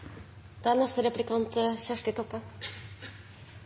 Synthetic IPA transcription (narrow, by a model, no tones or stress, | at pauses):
d̪̥ɛæːnɛst̪əɾɛplɪkɑnt̪ʰəçæʂʈɪt̪ʰɔpːə